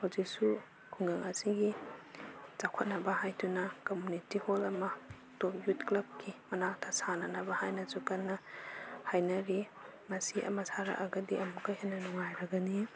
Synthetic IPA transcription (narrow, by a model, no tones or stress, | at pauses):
hawzik̚su | kʰuŋɡaŋʔɐsiɡi | t͡ʃakʰɐt̚nɐbɐhajtʰunɐkomunitiholɐmɐ | top̚jutklɐb̚kʰimɐnatʰasanɐnɐbɐhajnɐsukɐnːɐhajnɐɾimɐsiʔɐ̰mɐsaɾa̰ʔɐɡɐdiʔɐmukajhajnɐnɔŋajɾɐɡɐni